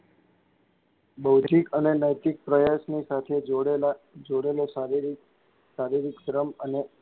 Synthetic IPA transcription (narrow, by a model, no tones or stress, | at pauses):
bəwt̪ikənenəjt̪ik̚pɾəjasnisat̪ʰed͡ʒoɽel | d͡ʒoɽelosaɾiɾ | saɾiɾiksɾəməne